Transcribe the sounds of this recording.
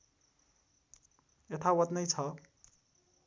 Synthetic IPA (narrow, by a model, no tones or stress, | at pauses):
et̪ʰawʌt̪nʌjt͡sʰʌ